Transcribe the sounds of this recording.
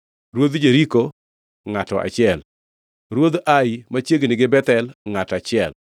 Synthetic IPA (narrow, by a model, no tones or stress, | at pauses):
ɾwod̪d͡ʒeɾiko | ŋatɔʔa̰t͡ʃɪɛl | ɾwod̪ʔaɪmat͡ʃjeɡnɪɡɪbɛt̪ɛlŋatat͡ʃɪɛl